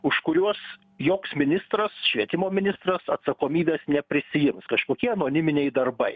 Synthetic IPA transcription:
ʊʃkʊɾʲuɔs | joːksmʲɪnʲɪst̪ɾɐsʃʲʋʲiɛt̪ʲɪmoːmʲɪnʲɪst̪rɐsɐt̪sɐkoːmʲiːbʲeːsnʲɛpʲɾʲɪsʲɪjɪmskɐʃkoːkʲiɛɐnoːnʲɪmʲɪnʲɛɪd̪ɐrbɐɪ

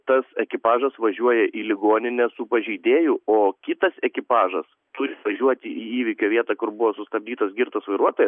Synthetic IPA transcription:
t̪ɐsɛkʲɪpɑːʒɐsʋɐʒʲuɔjɛʔiːlʲɪɡoːnʲɪnʲɛsʊpɐʒʲɛɪd̪ʲeːjʊoːkʲɪt̪ɐsɛkʲɪpɑːʒɐs | t̪ʊɾʲɪʋɐʒʲuɔt̪ʲɪʔiːiːʋʲɪkʲoːʋʲiɛt̪ɑːkʊɾbʊʋoːsʊst̪ɐb̚ʲd̪ʲiːt̪ɐsɡʲɪrt̪ɐsʋɐɪɾuɔt̪oːjɛs

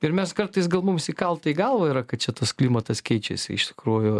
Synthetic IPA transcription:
ɪɾmʲɛskɐrt̪ɐɪsɡɐlˠmumsikɐlˠt̪ɐiɡɐlˠʋɐɪɾɐkɐt̪̚t͡ʃʲɛt̪ɐsklʲiːmɐt̪ɐskʲɛɪt͡ʃʲɛ̰sʲɪ̰ɪʃt̪ʲɪ̥kɾuːjʊ

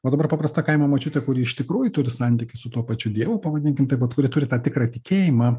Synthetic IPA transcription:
oːd̪ɐbɐrpɑːpɾɐst̪ɑːkɐɪmɐmɐt͡ʃʲʊt̪ʲɛkʊɾʲiːɪʃt̪ʲɪkɾuːjʊt̪ʊɾʲɪsɐnʲt̪ʲɪkʲɪsʊt̪uɔpɐt͡ʃʲʊd̪ʲiɛʋʊːpɐʋɐd̪ʲɪnʲkʲɪmt̪ɐɪʋɐt̪kʊɾʲɪt̪ʊɾʲɪt̪ɑːt̪ʲɪkɾɐːt̪ʲɪkʲeːjɪmɑː

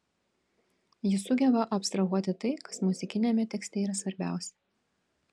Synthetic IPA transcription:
jɪsʊɡʲɛbɐʔɐpst̪ɾɐɣuɔt̪ʲɪt̪ɐɪkɐsmʊzʲɪkʲɪnʲɛmʲɛt̪ʲɛksʲt̪ʲɛiːɾɐsʋɐɾʲbʲæ̰ˑʊsʲɛ

